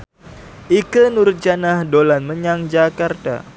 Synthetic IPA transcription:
ʔikənuɾt̪̚d͡ʒanahdolanməɲaŋd͡ʒakart̪a̰

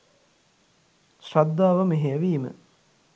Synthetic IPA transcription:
ʃrad̪ːaːʋəmeɦeəʋiːmə̰

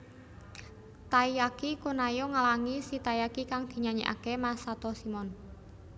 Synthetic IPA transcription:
t̪aijakikunajɔŋalaŋisit̪ajakikaŋd̪̥i̤ɲaɲḭʔa̰kemasat̪ɔsimɔn

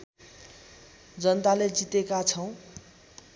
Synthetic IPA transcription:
d͡zʌnt̪aled͡zit̪ekat͡sʰʌw̃

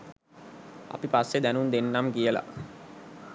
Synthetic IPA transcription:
a̰pipasːed̪ænund̪enːamkijəla̰

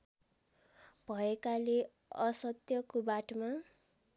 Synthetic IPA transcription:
b̥ʱʌekale | ʌsʌt̪jʌkobaʈma

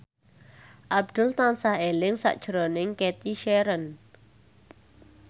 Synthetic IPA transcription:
ʔab̚d̪̥ʊ̤lt̪ansahelɪŋsa̰ʔd̥ʒ̥ɾonɪŋkɛt̪iʃɛɾən

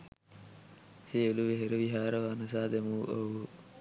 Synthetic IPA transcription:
seeluʋeɦeɾəʋiɦaːɾəʋanɐs̬aːd̪emuʔɐ̰

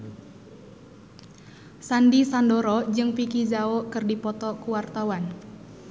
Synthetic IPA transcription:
sandisandɔɾɔd͡ʒɨŋpikizaokɨrdipɔt̪ɔkuwart̪awan

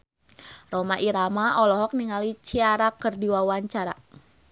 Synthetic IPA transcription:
romaʔiɾamaʔɔlɔɦɔk̚niŋalit͡ʃiaɾakərdiwawaɲt͡ʃaɾa̰

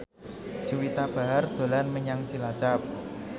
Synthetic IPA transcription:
d͡ʒ̥uwit̪ab̥a̤ɦard̪̥o̤lanməɲaŋt͡ʃilat͡ʃap̚

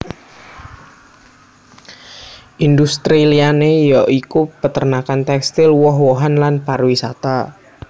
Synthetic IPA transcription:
ʔind̪ust̪ɾilianejɔʔikupət̪ərnakant̪ɛkst̪ɪlwɔɦwoɦanlanparwisat̪a

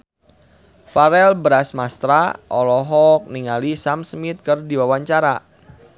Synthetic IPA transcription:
faɾɛlbɾasmast̪ɾaʔɔlɔɦɔk̚niŋalisamsmit̪̚kɨrdiwawaɲt͡ʃaɾa

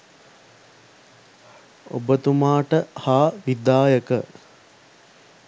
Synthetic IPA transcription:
o̰bət̪umaːʈəhaːʋid̪aːjəkə

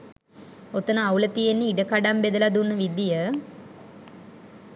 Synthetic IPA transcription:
ot̪ənəawlət̪ijenːiiɖəkaɖambed̪əlad̪unːəʋid̪ijə

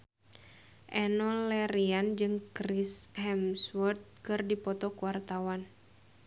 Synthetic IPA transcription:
ʔɛnɔlɛɾiand͡ʒɨŋkɾishɛmswɔrt̪̚kɨrdipɔt̪ɔkuwart̪awan

